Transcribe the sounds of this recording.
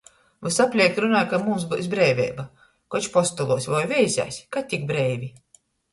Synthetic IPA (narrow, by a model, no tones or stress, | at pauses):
vɨsapʲlʲiɛk̚t̪ɾunaːjkamumsbṵs̬bɾɛjvʲɛ̰ːba | kɔt͡ʃpɔst̪ɔlˠuɔsʲvɔjvʲɛjzʲa̰jsʲkat̪ʲːik̚bɾɛjvʲi